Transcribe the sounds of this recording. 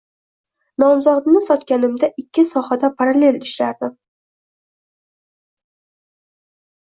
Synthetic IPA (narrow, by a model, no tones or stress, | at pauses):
nɒmzɒd̪nɪsɒt̪kʲanɪmd̪aʔɪkʲːɪsɒhad̪apʰaɾale̞lɪʃɾaɾd̪ɪm